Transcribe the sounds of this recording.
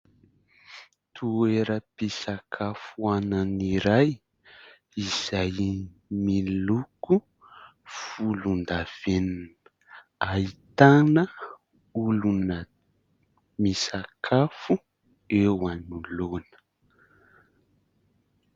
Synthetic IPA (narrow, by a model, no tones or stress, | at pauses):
t̪ʰueɾəpisakʰafuananiɾaj | iz̥ajmiluku | fulund̪av̥enn | ait̪anə | ulunə | misakʰafu | ewanulonə̥